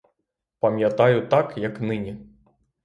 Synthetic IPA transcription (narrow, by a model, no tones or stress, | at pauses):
pɐmʲjat̪ajut̪akjɐknɨnʲi